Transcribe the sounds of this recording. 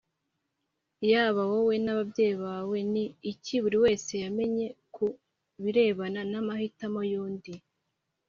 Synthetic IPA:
jaːβawowe̞naβabɟe̞ːjiβaːwe̞niːciβuɾiwe̞ːse̞jame̞ɲe̞kʰu | βiɾe̞ːβananamahitamo̞juːndi

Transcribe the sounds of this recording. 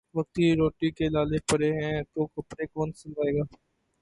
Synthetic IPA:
ʋɐk̚t̪iɾoːʈikelaːlepəɾeɦɛ̃t̪oːkɐpɾekoːnsəlaːeːɡaː

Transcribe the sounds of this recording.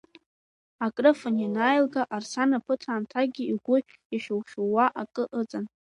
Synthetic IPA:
akʼrɨfɨnjanajlɡaʔarsanapʰɨtʰaːmtʰaɡʲiiɡʷʊ | aʃᶣowʃowaʔakʼɨʔət͡sʼan

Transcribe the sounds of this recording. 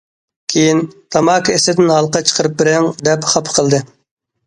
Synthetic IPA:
kʲʰejint̪ʰɑmɑːkʰʲesɪd̪ɪnɦɑlˠqɑt͡ʃʰə̥qʰəɾɨp̚bɪɾɪŋd̪ɛpχɑpʰqʰəlˠd̪ɨ

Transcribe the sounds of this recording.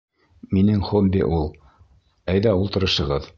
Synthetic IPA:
minɘŋχobʲːḭʔulˠ | æjðæulˠt̪ɤ̆ɾɤ̆ʃɤ̆ʁɤð

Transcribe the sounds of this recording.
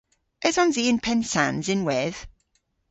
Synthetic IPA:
ɛzɔnziːɪnpʰɛnsanzɪnwɛð̥

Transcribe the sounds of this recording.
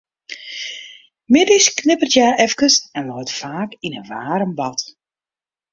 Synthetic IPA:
mɪdisknɪpərtjaɛfkəsɛnʋɔtfaːkinənʋa̰ːɾəmbɑt

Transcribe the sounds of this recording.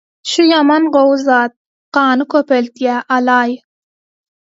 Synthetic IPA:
ʃʊjɑmɑnɢowzɑːt̪̚ | qɑːnɨkʲʰøpelt̪jæʔɑlˠɑːj

